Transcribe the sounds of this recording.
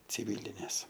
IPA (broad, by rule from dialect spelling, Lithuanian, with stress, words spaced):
t͡sʲɪˈʋʲɪlʲɪnʲeːs